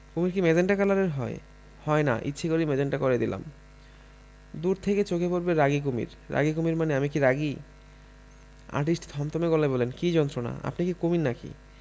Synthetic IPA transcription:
komiɾkimed͡ʑenʈakalaɾeɾɦɔe | hɔena̰ʔḭtːɕʰekoɾimed͡ʑeɳʈakoɾed̪ilʔa̰m | d̪uɾt̪ʰeket͡ɕokepoɾbeɾaɡik̬omḭɾːa̰ɡikomiɾmaneamikiɾaɡi | a̰ɾʈisʈi̥t̪ɦɔmt̪omeɡɔlebɔlenkid͡ʑɔnt̪ɾona̰a̰pnikikominːakḭ

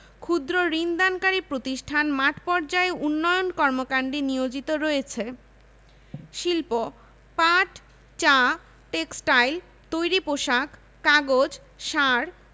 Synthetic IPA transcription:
kʰud̪ɾoɾind̪ankaɾipɾot̪iʃʈʰanmaʈpɔɾd͡ʑaeunːɔjonkɔɾmokaɳɖinijod͡ʑit̪oɾɔjet͡ɕʰe | ʃilpo | paʈ | t͡ɕa | ʈeksʈajl | t̪ojɾipoʃakː | aɡod͡ʑ | ʃaɾ

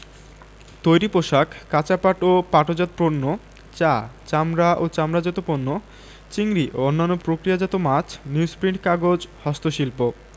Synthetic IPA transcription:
t̪ojɾipoʃakkːat͡ɕapaʈopaʈod͡ʑat̪̚ponːo | t͡ɕat͡ɕamɾaʔot͡ɕamɾad͡ʑɔt̪oponːo | t͡ɕiŋɾiʔoonːanːopɾokɾijad͡ʑat̪omat͡ɕʰniuspɾiɳʈkaɡod͡ʑhɔst̪oʃilpo

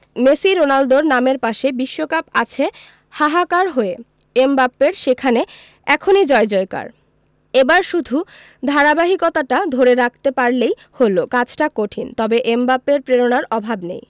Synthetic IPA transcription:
mesiɾonald̪oɾnameɾpaʃebiʃːokapat͡ɕʰe | haɦakaɾɦoe | embapːeɾʃekʰane | ɛkʰonid͡ʑɔed͡ʑɔeka̰ɾ | ebaɾʃud̪ʱu | d̪ʱaɾabaɦikot̪aʈad̪ʱoɾeɾak̚ʰt̪epaɾlej | holokat͡ɕʰʈakoʈʰint̪ɔbeʔembapːeɾpɾeɾonaɾɔbʱabnḛj

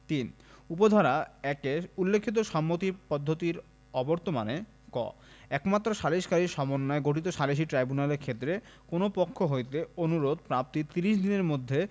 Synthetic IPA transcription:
t̪in | upod̪ʱaɾaɛkeulːekʰːit̪̬oʃɔmːot̪ipɔd̪ʱːot̪iɾ | ɔboɾt̪omane | kɔ̰ | ɛkmat̪ːɾoʃaliʃkaɾiʃɔmonːɔeɡoʈit̪̬oʃaliʃ̬iʈɾajbunaleɾkʰet̪ːɾekonopokʰːoɦojt̪eonuɾod̪̚pɾap̚t̪it̪iɾiʃd̪ineɾmod̪ʱːe

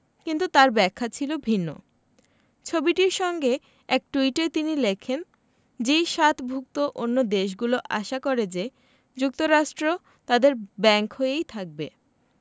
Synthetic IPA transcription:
kint̪ut̪aɾbɛkʰːat͡ɕʰilobʱinːo̰ | t͡ɕʰobiʈiɾʃɔŋɡe | ɛk̚ʈuiʈet̪inilekʰen | d͡ʑejʃat̪ʰbʱuk̚t̪oʔonːod̪eʃ̬ɡuloʔaʃakoɾed͡ʑe | d͡ʑuk̚t̪oɾaʃʈɾo | t̪ad̪eɾbɛŋkɦoeejt̪ʰak̚be

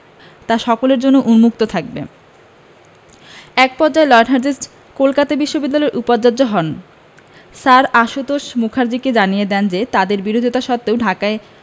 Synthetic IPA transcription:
t̪aʃɔkoleɾd͡ʑonːoʔunmuk̚t̪ot̪ʰak̚bḛ | ɛk̚pɔɾd͡ʑaelɔjenɦaɾd̪isʈ | kolkat̪abiʃːobid̪ːalɔeɾʔupaɾd͡ʑad͡ʑoɦɔn | saɾaʃut̪oʃmukʰaɾd͡ʑiked͡ʑanijed̪ɛnd͡ʑet̪ad̪eɾbiɾod̪ʱit̪aʃɔt̪ːeowɖʱakae

